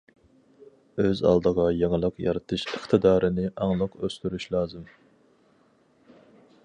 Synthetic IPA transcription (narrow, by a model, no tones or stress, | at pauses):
øzɑ̰lˠd̪əʁɑjeŋəlˠəqjɑ̰ɾɨt̪ʰɨʃəχt̪ʰɨd̪ɑːɾʔɨnɪʔɑŋlˠəqøst̪yɾyʃlˠɑːzɨm